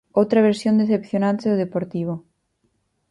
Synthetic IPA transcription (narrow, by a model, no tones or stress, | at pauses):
owt̪ɾaβ̞eɾsjond̪eθepθjonãnt̪eoðepoɾt̪iβo